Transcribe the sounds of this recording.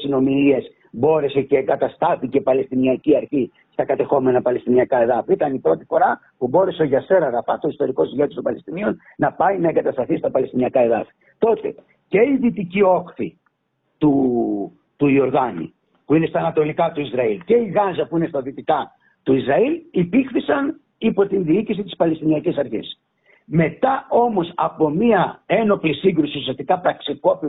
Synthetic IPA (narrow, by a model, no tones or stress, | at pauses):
sino̞miɾie̞s | bo̞ɾe̞se̞ce̞ːŋɡɐt̪ɐst̪ɐθice̞pɐle̞st̪iniɐciɐɾçi | st̪ɐkɐt̪e̞xo̞me̞nɐpɐle̞st̪iniɐkɐe̞ðɐfiit̪ɐnipɾo̞t̪ifo̞ɾɐ | pubo̞ɾe̞seoʝɐse̞ɾɐɣɐfɐt̪o̞ist̪o̞ɾiko̞sijet̪istompɐlest̪inion | nɐpɐinɐeŋɡɐt̪ɐst̪ɐθist̪ɐpɐle̞st̪iniɐkɐe̞ðɐfi̥ | t̪o̞t̪e̞̰ | ce̞iðit̪icio̞xθi | t̪u | t̪uio̞ɾðɐnḭ | puine̞st̪ɐːnɐt̪o̞likɐt̪uizɾɐilce̞iɣɐzɐpuine̞st̪ɐðit̪ikɐ | t̪uizɾɐilipixθisɐn | ipo̞t̪inðiicisit̪ispɐle̞st̪iniɐcisɐɾçḛs | me̞t̪ɐo̞mo̞sɐpo̞miɐe̞no̞plisiŋɡɾusiusiɐst̪ikɐpɾɐksiko̞pi